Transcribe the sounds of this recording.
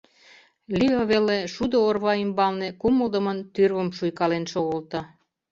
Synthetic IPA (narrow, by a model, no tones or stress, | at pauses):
lioβeleʃud̪oorβɑimbɑlnekuməld̪ə̆mənt̪yrβəmʃujkɑlenʃoɣolt̪ɤ